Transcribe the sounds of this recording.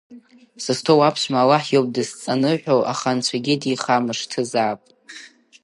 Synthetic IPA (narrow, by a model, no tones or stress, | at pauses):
sɨstʰowapʰʃʷmalaħjowp̚ʼdɨst͡sʼanɨħʷᶣowʔaχant͡ɕʷʰaɡʲidiχamɨʂtʰɨzaːpʼ